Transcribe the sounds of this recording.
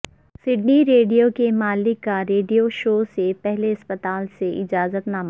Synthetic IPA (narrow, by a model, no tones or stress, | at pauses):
sɪɖniɾeːɖijokemaːlɪkːaɾeːɖijoʃoːsepɛɦleɐspət̪aːlseʔɪd͡ʒaːzət̪nam